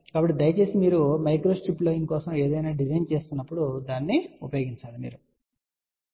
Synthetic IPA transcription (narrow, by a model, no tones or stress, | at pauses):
kɐbɐʈːid̪ɐjɐt͡ʃe̞ːsimiːɾumɐjkɾo̞ːsʈiploːjiŋkɔːsɐme̞ːd̪ɐjnaːɖizɐjnt͡ʃe̞ːst̪unːɐpːuɽud̪aːnːiupɐjo̞ːɡiɲt͡ʃaːɾumḭːɾu